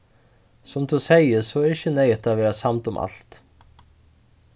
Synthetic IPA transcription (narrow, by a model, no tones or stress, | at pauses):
sʊmt̪ʰusejɪsɔɛɾɪçːənɛjɪt̪ʰavɛːɾasamt̪ʊmʔa̰lt̪